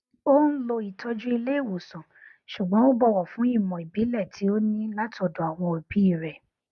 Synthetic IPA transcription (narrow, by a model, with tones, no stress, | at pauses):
o˦n̩˦lo˧i˨tʰɔ˧d͡ʒũ˦i˧le˦i˦˨wo˨sɔ̃˨ | ʃu˨ɡ͡bɔ̃˨˦o˦bɔ˦˨wɔ˨fũ˨˦i˦˨mɔ̃˨i˨bi˨˦lɛ˦˨tʰi˨˦o˦nĩ˦la˦tɔ˨do˨a˨w̃ɔ̃˧o˨bi˨˦i˦˨ɾɛ˨